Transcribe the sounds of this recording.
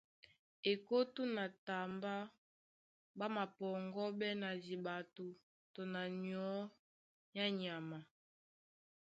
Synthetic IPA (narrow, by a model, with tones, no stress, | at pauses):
e˨ko˦tu˦na˨ta˨mba˦ | ba˦ma˨pɔ˨ŋɡɔ˦bɛ˦na˨zi˨ba˨tu˨ | to˨na˨ni˨ɔ˦ | ja˦ɲ˨a˨ma˨